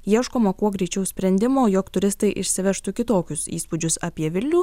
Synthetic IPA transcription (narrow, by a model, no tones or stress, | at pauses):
jiɛʃkoːmɐkuɔɡɾʲɛɪt͡ʃʲɛʊsʲpʲɾʲɛnʲd̪ʲɪmoːjɔkt̪ʊɾʲɪst̪ɐɪʔɪʃʲsʲɪʋʲɛʃt̪ukʲɪt̪oːkʲʊsḭːspud͡ʒʲʊsɐːpʲiɛʋʲɪlʲnʲuː